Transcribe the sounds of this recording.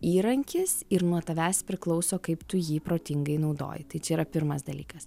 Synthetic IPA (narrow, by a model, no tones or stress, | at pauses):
iːɾɐŋʲkʲɪsɪɾnuɔt̪ɐʋʲæːspʲɾʲɪklˠɐʊsoːkɐɪpt̪ʊjiːpɾoːt̪ʲɪŋɡɐɪnɐʊd̪o̰ːjɪt̪ɐɪt͡ʃʲɛiːɾɐpʲɪɾmɐsd̪ɐlʲḭːkɐs